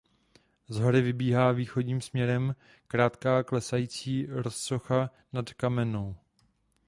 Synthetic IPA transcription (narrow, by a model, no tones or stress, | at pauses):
zɦoɾɪvɪbiːɦaːviːxo̞ɟɲiːmsmɲɛɾɛm | kɾaːt̪kaːklɛsajiːt͡siːɾosso̞xa | natkamɛnow